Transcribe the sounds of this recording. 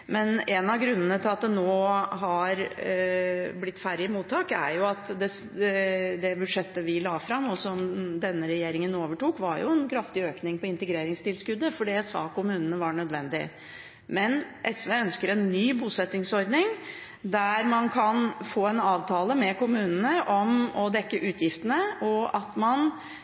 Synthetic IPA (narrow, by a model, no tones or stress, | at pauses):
mɛnɛnɑʋɡɾʉnːənət̪ʰɪlɑt̪̚d̪ɛnoːɦɑɾ | blɪt̪ːfæɾɪəmuːt̪ʰːɑːkæ̰ɾjʊɑt̪d̪ɛ | d̪ɛbʉd̪ʂɛt̪ːəʋɪlɑːfɾɑmːɔsɔmd̪ɛnːəɾɛjeːɾɪŋənoːʋəʈuːkʋɑ̰ɾjʊ̰ɛnkʰɾɑft̪ɪøːknɪŋpɔɪnt̪əɡɾeːɾɪŋst̪ɪlskʉd̪ːəfɔɖɛsɑ̰ːkʊmʉːnənəʋɑɳœd̪ʋɛnd̪ɪ̰ | mɛnʔɛsʋeːœnskəɾɛnːyːbuːsɛt̪ːɪŋsɔɾd̪nɪŋ | d̪æɾmɑnkʰɑnfoːɛnɑːʋt̪ʰɑːləmɛkʊmʉːnənəʔɔmɔd̪ɛkːəʔʉːt̪ʰjɪft̪ənəɔʔɑt̪mɑn